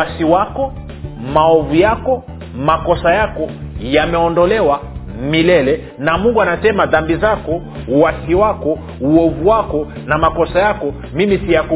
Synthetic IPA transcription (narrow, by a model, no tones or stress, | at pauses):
asiwakɔ | maɔvujakɔ | makɔsajakɔjamɛɔndɔlɛwa | milɛlɛ | namuŋɡuanasɛmaðambizakɔ | uwasiwakɔ | uɔvuwakɔ | namakɔsajakɔ | mimisijaku